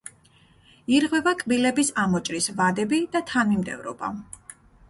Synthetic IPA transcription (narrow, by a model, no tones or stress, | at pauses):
iɾʁwɛvakʼbilɛbisamɔt͡ʃʼɾisvad̪ɛbid̪at̪ʰanmimd̪ɛ̰vɾɔ̰ba̰